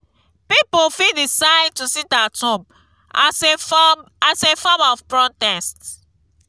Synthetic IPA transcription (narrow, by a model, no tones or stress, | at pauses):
pipofidisaɪd̚tusidatɔ̃m | as | asefɔmɔfpɹɔtɛst